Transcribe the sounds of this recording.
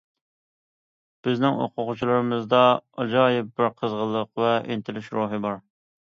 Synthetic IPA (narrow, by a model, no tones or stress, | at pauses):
b̥ɪznɪŋo̰qʰʊqʊt͡ʃʰilˠɨɾɨmɨzd̪ɑɑd͡ʒɑːjɪp̚bɪɾqʰəzʁəlˠːəqvɛʔḛnt̪ʰɪlɪʃɾoːɦɨbɑɾ